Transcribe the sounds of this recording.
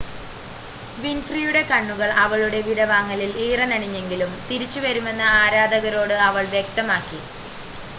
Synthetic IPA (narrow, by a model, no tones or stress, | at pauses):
ʋinfrijuɽe̞kɐɳːuɣɐɭɐʋɐɭuɽe̞ʋiɾɐʋaːŋːɐliliːrɐnɐɽiɲːe̞ŋɡilumt̪iɾit͡ɕːuʋɐɾume̞nːɐaːɾaːd̪ɐɣɐɾo̞ːɽɨɐʋɐɭʋjek̚t̪ɐmaːkːi